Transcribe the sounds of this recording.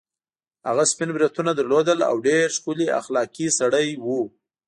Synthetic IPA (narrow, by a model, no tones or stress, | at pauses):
haɣaspɪnbɾit̪unad̪əɾlod̪əla̰wɖeɾʃkulia̰xlɑkisaɽəjwu